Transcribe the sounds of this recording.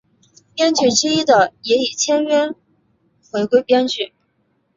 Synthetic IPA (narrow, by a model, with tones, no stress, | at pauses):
pjɛ˥nt͡ɕy˥˩ʈ͡ʂɻ̩˥i˥d̪ə˨˩jɛ˧˥i˨˩t͡ɕʰjɛ˥nɥɛ˥n | xwe˧˥ɪkwe˥ɪpjɛ˥nt͡ɕy˥˩